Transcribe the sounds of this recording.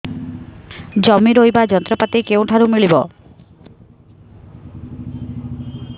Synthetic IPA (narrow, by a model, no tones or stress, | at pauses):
d͡ʒɔmiɾojbad͡ʒɔnt̪ɾɔpat̪ikewʈʰaɾumiɭibɔ̰